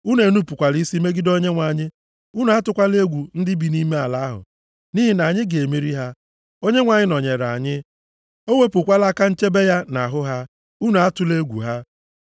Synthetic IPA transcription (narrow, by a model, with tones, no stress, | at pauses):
u˦n˦e˨nu˦pu˨kʷa˨li˦si˦me˦ɡɪ˦do˦ɲe˦ŋʷa˨ɲɪ˦ | u˦nu˨˦a˦tʊ˨˦kʷa˦le˦ɡʷu˨n̩˦dɪ˦bi˨ni˦me˦a˨la˨˦a˦ɦʊ̰˨ | ni˦ɦi˨na˨ɲɪ˦ɡe˨mi˦ɾi˦ɦa˦ | o˦ɲe˦ŋʷa˨ɲɪ˦nɔ˨ɲe˨ɾa̰˨ɲɪ˦ | o˦we˦pʊ˨kʷa˦la˦ka˦n̩˦t͡ʃe˦be˦ja˦na˨ɦʊ˦ɦa˦ | u˦nu˨a˦tʊ˨le˦ɡʷṵ˨ɦa˦